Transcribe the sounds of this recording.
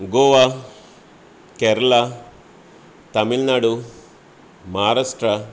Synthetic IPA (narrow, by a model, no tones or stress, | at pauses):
ɡoːʋa | kɛːɾɐɭa | t̪ɐmilnaːɽu | maːɾaːʂʈɾɐ